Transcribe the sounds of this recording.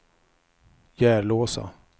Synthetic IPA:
jæːɭoːsa̰

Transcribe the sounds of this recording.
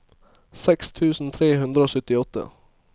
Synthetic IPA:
sɛkst̪ʰʉːsn̩t̪ʰɾeːɦʉnd̪ɾəoːsœt̪ːɪɔt̪ʰːə̰

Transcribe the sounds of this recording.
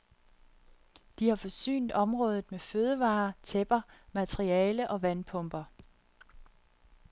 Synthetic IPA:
d̥ihɑ̈fɒ̽sy̰ːnd̥ɒ̽mʁɔ̽ːð̞ˠð̩ˠmeføð̞ˠəʋɑ̈ːt͡sʰeb̥ɐmæt͡sʰʁiɛːləʔɒ̽ʋænpʰɔ̽mb̥ɐ

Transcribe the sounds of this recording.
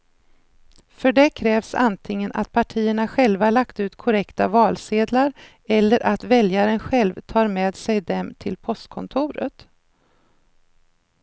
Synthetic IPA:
fœɖɛkʰɾɛːvsa̰nt̪ʰɪŋːənʔa̰t̪pʰaʈʰiːəɳaɧɛlvaɭakt̪ʉ̟ːt̪kʰʊɾɛkt̪avɑːlseːd̪laɾ | ɛlːəɾʔat̪vɛljaɾənɧɛlvt̪ʰɑːɾmeːd̪sɛjd̪ɛmt̪ʰɪlpʰɔst̪kʰɔnt̪ʰʊːɾə̰t̪

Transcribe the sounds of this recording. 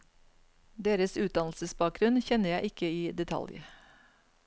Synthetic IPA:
d̪eːɾəsʉːt̪̚d̪ɑnlsəsbɑːk̚ɡɾʉnçɛnəjæɪʔɪkəiːd̪ɛt̪ʰɑ̰ljə̰

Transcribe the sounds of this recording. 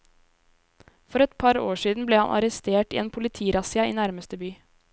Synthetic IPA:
fɔɾɛt̪pʰɑɾoːʂiːd̪n̩bleːhɑ̰nʔɑ̰ɾɛst̪eːʈḭːeːnpʰʊlɪt̪ʰiːɾɑsɪɑḭːnæɾməst̪əbyː

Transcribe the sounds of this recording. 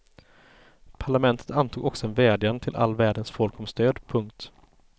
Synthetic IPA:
pʰaɭamɛnt̪ʰə̥t̪ant̪ʰuːɡɔksɔɛnvɛːd̪jand̪ət̪ʰɪlʔa̰lːvæːɖənsfɔlkɔmst̪øːd̪pʰɵŋk̚t̪

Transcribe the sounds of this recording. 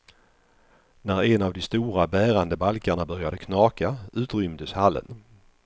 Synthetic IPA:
næɾɛnavd̪ɔst̪uːɾabæːɾand̪əbalkaɳabœɾjad̪əkʰnɑːkaʉ̟ːt̪ɾʏmd̪əshalːə̰n

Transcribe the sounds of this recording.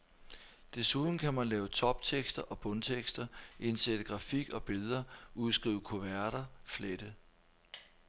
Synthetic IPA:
d̥e̝suðˠn̩kʰæmænlɛːʊt͡sʰɒ̽b̥t͡sʰeɡ̥sd̥ɐʔɒ̽b̥ɔ̽nt͡sʰeɡ̥sd̥ɐʔe̝nsed̥əɡ̥ʁɑ̈fiɡ̥ɒ̽b̥e̝lˠɐʔuðˠsɡ̥ʁḭːʊəkʰo̝ʋæɐɾ̥ɐfleɾ̥ə

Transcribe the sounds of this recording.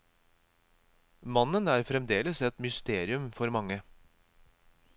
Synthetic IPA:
mɑnənæːɾfɾɛmd̪eːləsɛt̪mʏst̪eːɾɪʉmfɔɾmɑŋːə

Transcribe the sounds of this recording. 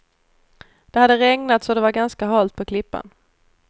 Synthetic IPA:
d̪̥ɛhad̪ːəɾɛŋnat̪sɔd̪ɛvaɾɡanskaɦɑːlt̪̚pʰɔkʰlɪpːa̰n

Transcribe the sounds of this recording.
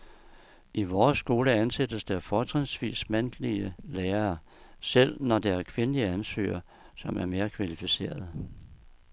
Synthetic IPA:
ʔiʋɒːsːɡ̥o̝ːləænsed̥əsd̥æɐfɒːt͡sʰʁɛnsʋḭːsmæn̰d̥liəleːɐ | sel̰nɒd̥eæɐkʰʋe̝nəliəænsø̰ːɐ | sɒ̽mæɐme̝ːɐkʰʋælifise̝̰ːɐð̞ˠ

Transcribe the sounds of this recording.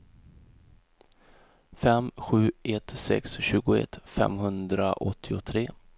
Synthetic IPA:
fɛmɧʉ̟ːɛt̪sɛ̰ksɕʉ̟ːɡʊɛ̰t̪fɛ̰mɦɵnd̪ɾaʔɔt̪ʰːɪʊt̪ʰɾeː

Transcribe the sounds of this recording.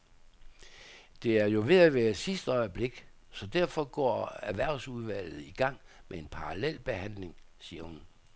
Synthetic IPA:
d̥e̝æɐjo̝ʋe̝ðˠæʋæːɐsisd̥əɒ̽ɪb̥le̝ɡ̥ | sɒ̽d̥æɐ̰fɒ̽ɡ̥ɒ̰ːæʋæɐ̰suðˠʋæl̰ð̩ˠiɡ̥ɑ̈ŋ̰ | mee̝npʰɑ̈ʁɑlel̰b̥e̝hæn̰le̝ŋsiːɐhun

